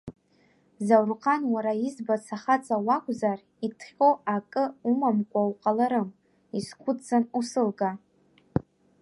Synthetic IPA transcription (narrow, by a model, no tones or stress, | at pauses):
zawrqʰʼanwaɾaizbat͡sʰaχat͡sʼawakʷʼzar | itʰχʲoakʼɨumamkʷʼawqʼalaɾɨm | iskʷʰʊt͡sanusɨlɡa